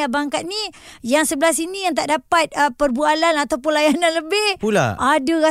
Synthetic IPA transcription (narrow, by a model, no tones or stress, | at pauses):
abaŋkat̪̚nijaŋsəbəlasinijaŋt̪̬aʔdapat̪̚əpərbualanat̪awpunlajananləbɪhpula̰ʔadəɣa